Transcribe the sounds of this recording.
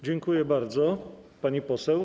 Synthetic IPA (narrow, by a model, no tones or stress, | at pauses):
d͡ʑɛŋkujɛbaɾd̪zɔpaɲipɔsɛw